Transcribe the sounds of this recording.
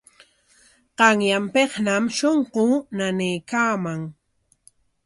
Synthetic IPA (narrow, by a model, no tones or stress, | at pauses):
qɑŋjampeχnamʃoɴqʊnanɪjkaːmaŋ